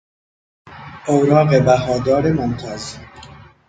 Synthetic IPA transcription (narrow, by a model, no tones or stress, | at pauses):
ʔowɾɒːɣebæɦɒːd̪ɒːɾemont̪ʰæz